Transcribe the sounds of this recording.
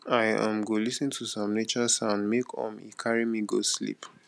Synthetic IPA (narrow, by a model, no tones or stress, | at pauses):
aɪã̰mɡolisĩntʰusɔ̃mnet͡ʃɔsãnmekʰɔ̰̃mḭkʰaɹimiɡoslḭp